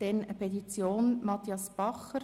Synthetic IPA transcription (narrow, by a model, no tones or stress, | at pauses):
d̥ɛnəpʰɛt̪it͡sjoːnmɑt̪iɑsb̥ɑχəɾ